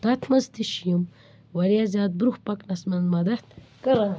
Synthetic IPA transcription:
t̪at̪ʰmɐzt̪iʃijim | wɐɾijazaːd̪̚bɾuhpɐknɐsmɐnmɐd̪ɐt̪kɐɾɐ

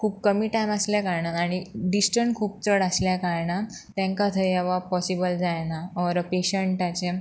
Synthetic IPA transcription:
kʰuːp̚kəmiːʈajməsljakaɾɳaaɽ̃iɖisʈəɳʈkʰuːp̚t͡səɽasljakaɾɳa | t̪ɛ̃ŋkat̪ʰəjɛʋapɔsibəld͡zajnaɔɾpeɕəɳʈat͡ɕe

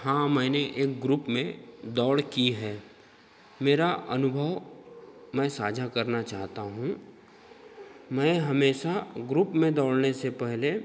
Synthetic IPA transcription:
hãːmɛ̃ːneʔeːk̚ɡɾupmẽd̪ɔːɽkiɦɛː | meːɾaʔɐnʊbʱəʋ | mɛ̃ːsaːd͡ʒʱakɐɾnat͡ʃaːɦt̪aɦũ | mɛ̃ːɦɐmeːʃaɡɾupmẽd̪ɔːɽnesepɛɦle

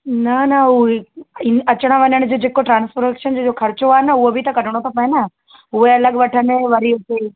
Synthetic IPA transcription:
nɐnɐueɪɐt͡ɕəɽ̃ə̃ʋɐɲəɽ̃d͡ʑod͡ʑeːkoʈɾãːnsfɾəkʃənd͡ʑod͡ʑoːkʰɐɾt͡ɕoaːɦenɐʊɦobʱit̪ɐkɐɖʱəɽ̃ot̪ʰapɐ̃ẽnɐ | ɦʊeɐləɠʋɐʈʰəneʋɐɾiʊt̪e

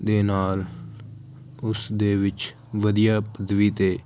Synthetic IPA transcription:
d̪eːnaːl | ʊsd̪eːʋɪt͡ʃ | ʋəd̪ijaːpəd̪ʋiːt̪eː

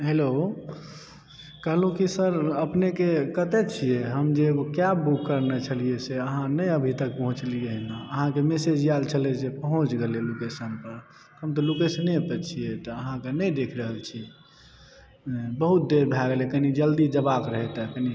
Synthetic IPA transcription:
ɦelo | kəɦlũkisəɾəpnekekət̪ɛt͡ʃʰieɦəmd͡ʒeɡokjabukːəɾnet͡ʃʰəlijeseəɦãnəjəbʱit̪ək̚pəɦũt͡ʃliəɦnaəɦãkemesed͡ʒijalt͡ʃʰəlɛsepəɦũt͡ʃɡelelokesənpəɾ | ɦəmt̪ɔlokesəniepɛt͡ʃʰijet̪ɔəɦãkenəjd̪ekʰɾəɦəlt͡ʃʰi | bəɦut̪̚d̪eɾbʱaɡelɛkənid͡ʒəld̪id͡ʒəbakɾəɦɛt̪ɛkəni

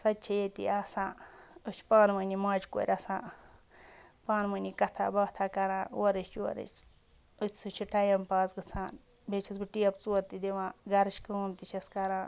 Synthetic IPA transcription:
sɐt̪̚ʲt͡ʃʰijet̪ḭasãːɨt͡ʃʰpaːnmənʲimaːd͡ʒko̰ːɾʲɐsãː | paːnmɐnʲikɐt̪ʰa̰ːbɐt̪ʰaːkɐɾãːwoɾɨt͡ʃo̰ɾɨ̰t͡ʃ | ɨt͡sʰʲsɨt͡ʃʰiʈɐjɐmpaːzɡɨt͡sʰaːn | bʱet͡ʃʰisbɨʈijɐpt͡suːɐɾt̪id̪iʋãːɡɐɾɨt͡ʃkɨumt̪it͡ʃʰɐskɐɾãː

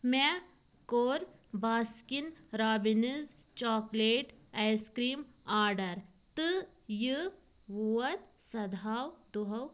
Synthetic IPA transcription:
mɛ | koːɾbaːskinɾaːbiniz | t͡ʃɔːkleːʈajskɾiːm | aːɾɖɐɾ | t̪ɨ | jɨ | ʋuɐt̪sɐd̪ʱaːwd̪uɦɐw

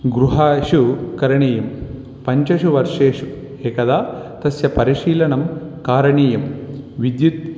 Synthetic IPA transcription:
ɡɾuɦaːʃukɐɾɐɳiːjɐm | pɐɲt͡ʃɐʃuʋɐɾʂeːʂu | eːkɐd̪aːt̪ɐsjɐpɐɾiʃiːlɐɳɐmkaːɾɐɳiːjɐmʋid̪jut̪̚

